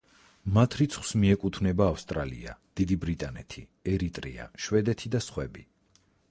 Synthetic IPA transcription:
mat̪ʰɾit̪sʰχw̥smiɛkʼut̪ʰvnɛbaːfst̪ʼɾalḭa̰d̪̥id̪ibɾit̪ʼanɛ̰t̪ʰi | ɛɾit̪ʼɾḭa̰ʃwɛd̪ɛt̪ʰid̪asχwɛbi

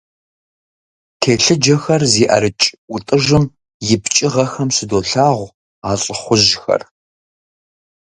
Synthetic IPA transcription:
tʰeːɬɨd͡ʒɐxɐrziːʔɐ̰ɾɨt͡ʃʼʊtʼɨʒɨm | jɪpt͡ʃʼɪʁɐxɐmsɨdoːɬaːʁʷ | aːɬʼəχʷʊʑxɐ̰r

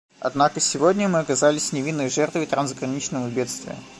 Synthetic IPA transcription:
ɐ̰d̪nakəsʲɪvodʲnʲəmɨɐkɐzalʲɪsʲnʲɪvʲinːəjʐɛrt̪vɨt̪ɾanzɡɾɐnʲit͡ɕnəvəbʲe̞t̪st̪vʲɪ̰jə̰

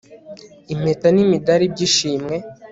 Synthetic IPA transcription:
im̥etanimidaɾib̚ɟiʃiːmŋe̞

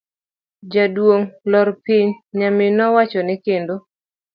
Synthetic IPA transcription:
d͡ʒadwoŋlɔɾpiɲɲamɪnɔwat͡ʃɔnɪkendo

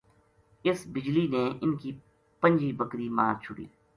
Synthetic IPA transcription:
ɪsbɪd͡ʒlineʔɪnki | pə̃ɲd͡ʒiːbəkɾimaːɾt͡ʃʰʊɽḭː

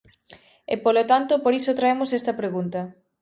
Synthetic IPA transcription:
ḛpolot̪ant̪opoɾisot̪ɾaemosest̪ɐpɾeɣunt̪ɐ

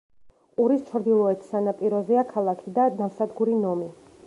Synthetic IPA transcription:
qʼuɾist͡ʃʰɾd̪ilˠɔɛt̪ʰsanapʼiɾɔzɛakʰalˠakʰid̪ad̪amsad̪ɡuɾinɔmi

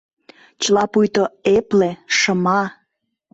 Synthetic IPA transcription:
t͡ɕəlɑpujt̪oepleʃəmɑ

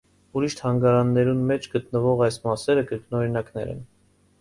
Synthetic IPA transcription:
uɾiʃt̪ʰhɑŋɡɑɾɑnːɛɾunmɛt͡ʃʰɡət̪nəvɔʁɑjsmɑsɛɾəkəɾknɔɾinɑknɛ̰ɾɛ̰n

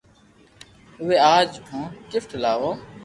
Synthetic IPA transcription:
ʊʋeːaːd͡ʒũːkɪfʈlaːʋõː

